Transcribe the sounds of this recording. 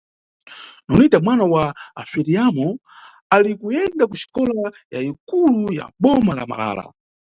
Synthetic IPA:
nɔnitamwanawaafiɾiamɔ | alikujɛndakuʃi̥kɔlajaikuluja̰ɓɔmala̰ma̰la̰ːla̰

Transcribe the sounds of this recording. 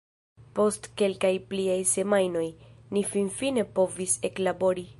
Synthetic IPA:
po̞stke̞lkajpliajse̞majno̞jnifinfine̞po̞vise̞klabo̞ɾi

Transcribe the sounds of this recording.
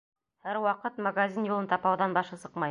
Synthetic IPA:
hæɾwɑqɤt̪maɡazʲinjulˠɤ̆nt̪ɑpɑwðɑnbɑʃɤsɤ̥qmɑj

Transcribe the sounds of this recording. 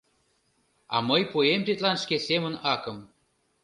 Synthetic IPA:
ɑ̰məjpoemt̪it̪lɑnʃkesemə̆nɑkə̆m

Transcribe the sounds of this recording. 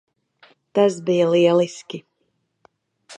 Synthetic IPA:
t̪asbijɐliɛlˠiskʲi

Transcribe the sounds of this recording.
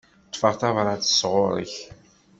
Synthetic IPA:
t̪faʁt̪avɾˤat͡sːə̥sʁʊɾə̰ç

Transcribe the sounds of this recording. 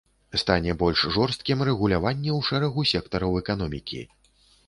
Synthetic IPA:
st̪anʲɛbɔlʲʂʐɔrst̪̚kʲimrɛɣulʲavanʲːɛwʂɛɾɐɣusʲɛkt̪ɐɾɐwɛkanɔmʲikʲḭ

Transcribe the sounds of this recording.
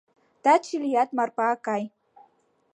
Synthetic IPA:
t̪at͡ʃilijat̪marpaːkaj

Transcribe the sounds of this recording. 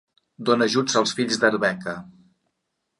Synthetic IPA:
d̪onəʒud͡zəlˠsfiʎzd̪əɾβɛkə

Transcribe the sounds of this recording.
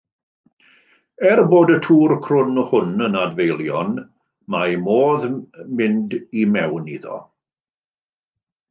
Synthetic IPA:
ɛrboːdətʰuːrkʰrʊnɔhʊnənadvejlˠjɔn | majmoːðmɪndimɛwnḭðɔ̰

